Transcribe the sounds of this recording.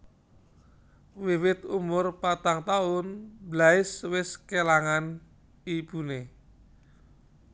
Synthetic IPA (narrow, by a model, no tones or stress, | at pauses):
wiwɪt̪umʊrpat̪aŋt̪aʊnblaɪswɪskelaŋan | ib̥ṳne